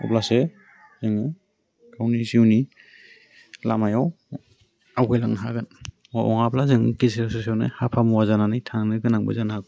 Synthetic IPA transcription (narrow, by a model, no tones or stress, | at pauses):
ɔ̰plase | zɯŋɯ | kawniziwni | lamajaw | awkʰɯjlaŋnɦaɡɯn | ɔɔ̰ŋaplazɯŋɯ̰kezesesawnɯ̰hapʰamɔwazananɯjtʰaŋnɯɡɯnaŋbɯ̰zanhaɡ